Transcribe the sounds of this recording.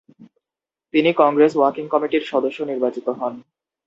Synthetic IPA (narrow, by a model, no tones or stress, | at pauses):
t̪inikɔŋɡɾeswaɾkiŋkɔmiʈiɾʃɔd̪oʃːoniɾbat͡ɕit̪oɦɔn